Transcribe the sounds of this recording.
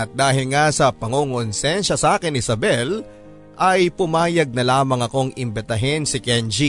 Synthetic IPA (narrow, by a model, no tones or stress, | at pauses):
ɐt̪̚d̪aːɦɪlŋasɐpɐŋoŋonsɛnʃɐsaːkɪnɪsɐbɛl | ʔɐjpʊmaːjɐɡ̚nɐlaːmɐŋɐko̞ŋɪmbɪt̪ɐɦɪnsɪkɛnd͡ʒi